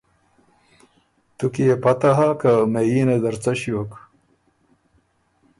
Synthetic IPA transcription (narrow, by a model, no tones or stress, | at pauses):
t̪ukiepɐt̪aɦakamejiːned̪ɐɾt͡saɕiwok